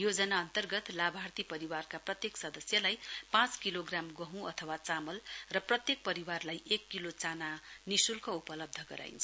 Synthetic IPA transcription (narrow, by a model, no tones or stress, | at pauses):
jod͡zʌnaʌnt̪ʌrɡʌt̪labʱart̪ipʌɾiwarkaprʌt̪jeksʌd̪ʌsjʌlajpãt͡skiloɡramɡʌɦũʌt̪ʰʌwat͡samʌlrʌprʌt̪jek̚pʌɾiwarlajʔekːilot͡sananisulkoupʌlʌb̚d̪ʱʌɡʌɾa̰j̰nt͡sʰʌ